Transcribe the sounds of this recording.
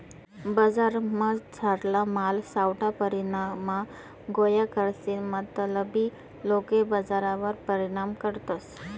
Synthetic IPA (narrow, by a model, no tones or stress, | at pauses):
bəd͡zaɾməd͡zʰʱaɾlamalsawʈʰapəɾiɽ̃ama | ɡojakəɾsinmat̪ələbi | lokebəd͡zaɾaʋəɾpəɾiɽ̃amkəɾt̪os